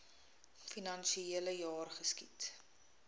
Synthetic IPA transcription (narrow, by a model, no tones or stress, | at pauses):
finɐnʃieələjɑːrχəskit